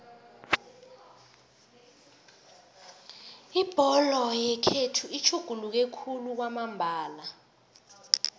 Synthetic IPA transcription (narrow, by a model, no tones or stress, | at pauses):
ib̥ʱɔlɔjɛkʰetʰuit͡ʃʰuɡ̥ʱuluk̬ekʰuluk̬wamambʱaːla